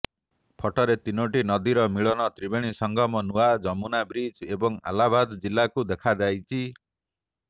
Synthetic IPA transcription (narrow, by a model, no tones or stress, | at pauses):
pʰɔʈɔɾet̪inoʈinɔd̪iɾɔmiɭɔnɔt̪ɾibeɽ̃isɔŋɡʱɔmɔnuad͡ʒɔmunabɾid͡ʒebɔŋa̰labad̪ɔd͡ʒilːakud̪ekʰad͡ʒajt͡ʃʰi